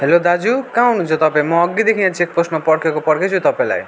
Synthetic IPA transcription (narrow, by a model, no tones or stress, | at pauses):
ɦelod̪ad͡zukawnud͡zot̪ʌpãĩmʌːɡid̪ekʰinãt͡sʰek̚posʈmapʌɽkʰekopʌɽkʰet͡sʰut̪ʌpaĩla̰j